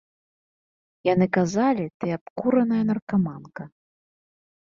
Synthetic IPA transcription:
janɨkazalʲit̪ɨapkuɾɐnɐjɐnɐrkamankɐ

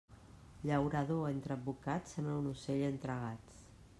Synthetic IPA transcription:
ʎəwɾəðoent̪ɾəd̪̚bukat͡sənəwnuseʎənt̪ɾəɣ̞at͡s

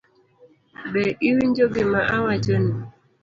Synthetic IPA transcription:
bɛʔiwiɲd͡ʒoɡemaʔawad͡ʒoni

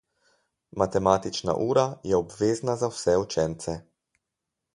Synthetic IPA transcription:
mat̪ɛmaːt̪it͡ʃna̰ʔuːɾajɛɔbʋeːznazawsɛut͡ʃɛnt̪sɛ

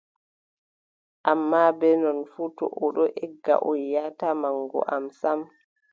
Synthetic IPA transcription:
ʔamːabɛnɔnfuːtɔ̰ʔɔɗɔʔɛɡːa̰ʔɔjːatamaŋɡɔ̰ʔamsam

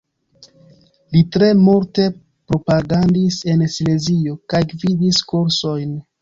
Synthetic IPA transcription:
litɾe̞muɾte̞ | pɾo̞paɡandise̞nesle̞zio̞kajɡvidiskuɾso̞jn

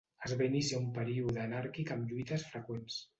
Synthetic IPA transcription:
əzβainisiaumpəɾiuðəːnaɾkikəmʎuit̪əsfɾəkwens

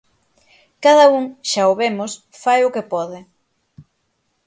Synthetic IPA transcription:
kaðɐuŋʃaoβemʊs | fajʊkepɔðɪ

